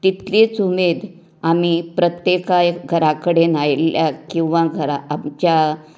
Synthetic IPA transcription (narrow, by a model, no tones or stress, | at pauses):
t̪it̪let͡sumed̪ | amipɾət̪jekajɡʱəɾakəɽenajljakĩw̃ʋãɡʱəɾaːmt͡ɕja